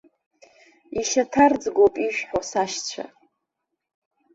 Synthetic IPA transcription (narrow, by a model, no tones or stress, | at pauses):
iʃatʰard͡zɡʷopʼiʃᶣħasaʃt͡ɕʷʰa̰